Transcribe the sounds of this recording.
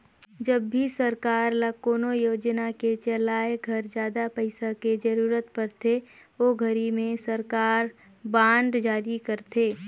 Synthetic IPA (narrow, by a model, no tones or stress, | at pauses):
d͡ʒɐbːisɐɾkaːɾlɐkoːnojoːd͡ʒnaket͡ʃəlaːeɡʱɐɾd͡ʒjaːd̪apəɪsaked͡ʒɐɾuːɾət̪pɐɾt̪ʰe | oːɡʱɐɾimẽsɐɾkaːɾ | bãːɳɖd͡ʒaːɾikɐɾt̪ʰeː